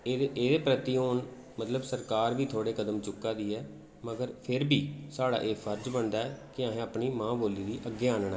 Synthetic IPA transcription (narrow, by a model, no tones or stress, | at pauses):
eːd̪eːpɾət̪iːoːn | mət̪ləbsəɾkaːɾʋiːt̪ʰoːɽeːkəd̪əmt͡ʃʊkːaːd̪iːɛː | məɡəɾpʰɪɾbiːsaːɽa̰ːʔeːpʰəɾd͡ʒbənd̪aːɛːkɪaːɦẽːaːpɳiːmãːboːliːd̪iːʔəɡeaːnɳɛː